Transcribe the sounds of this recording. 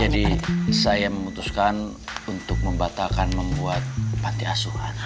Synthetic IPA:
d͡ʒadisajaməmut̪uskan | unt̪ʊk̚məmbat̪akanməmbuat̪̚pant̪iasuhan

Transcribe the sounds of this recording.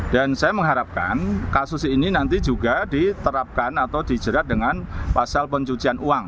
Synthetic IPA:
d̥ansajaməŋɦaɾap̚ka̰nkasʊsininant̪id͡ʒuɡadit̪əɾap̚kanat̪awdid͡ʒəɾat̪̚dəŋanpasalpəɲt͡ʃut͡ʃianuaŋ

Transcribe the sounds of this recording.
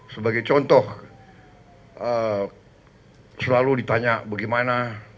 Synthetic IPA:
səbaɡajt͡ʃɔnt̪ɔh | ə | səlaludit̪aɲaʔbaɡimana

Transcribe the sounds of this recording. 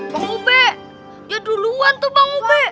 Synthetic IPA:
maŋubɛ | d͡ʒaduluant̪ʊhbaŋubɛ

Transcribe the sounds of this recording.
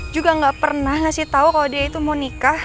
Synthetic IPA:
d͡ʒuɡaŋɡaʔpərnahŋasɪht̪aukalodiait̪umonika

